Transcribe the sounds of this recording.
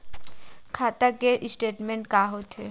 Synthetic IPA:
kʰaːt̪akeʔɪsʈeːʈmẽɳʈkaːɦot̪ɦe

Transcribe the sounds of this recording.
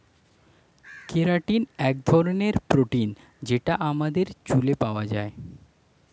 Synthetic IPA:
kʰeɾaʈinɛk̚d̪ʱɔɾoneɾpɾoʈin | d͡ʑeʈaʔamad̪eɾt͡ɕulepaoad͡ʑae

